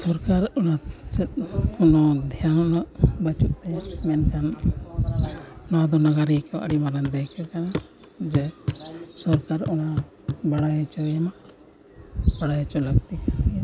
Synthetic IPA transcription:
sɔɾkaɾɔnat͡ʃɛt̪̚kʰunɔd̪ʱjannaʔbət͡ʃuʔt̪ɛjamɛnkʰan | nɔd̪ɔnaɡaɾikɛwa̰ʔə̰ɽimaɾand̪ɛkɛt̪̚kana | d͡ʒɛ | sɔɾkaɾuna | baɽajt͡ʃɔjama | baɽajt͡ʃɔləkt̪ia

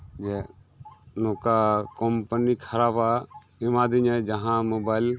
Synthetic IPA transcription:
d͡ʒe | noːkakompənikʰəɾaːba | ɪmãːd̪iɲed͡ʒɐɦãmoːbaːɪl

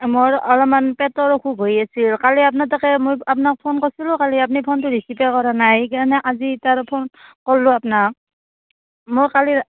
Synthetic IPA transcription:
moɹɔlɔmanpɛtɔɹɔkʰuɡʱojasilkaliap̬̚natakɛmojap̬nak̚pʰɔnkɔsilʊkaliap̬nipʰɔntʊdisipɛkɔɹanajkanɛʔazitaɹpʰɔnkɔlːʊapnak̚ | mojkali

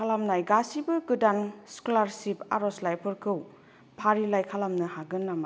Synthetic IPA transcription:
alamnajɡasibɯɡɯdanskulaɾsipa̰ɾɔslajpʰɯɾkʰɯw | pʰaɾilajkʰalamnɯhaɡɯnːama

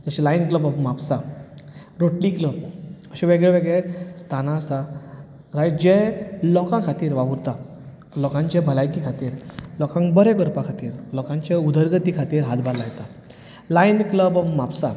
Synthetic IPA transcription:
d͡zəɕilainkləbɔfmapsa | ɾoʈlikləbəɕeʋeɡɭeʋeɡɭest̪ʰanasa | ɾad͡ʑẽlɔkãkʰat̪iːɾʋaʋuɾt̪a | lɔkãɲt͡ɕebʱəlajkikʰat̪iːɾlɔkãŋbəɾekəɾpakʰat̪iːɾlɔkãɲt͡ɕaud̪ʱəɾɡət̪ikʰat̪iːɾɦat̪balajet̪a | lainkləbɔfmapsa

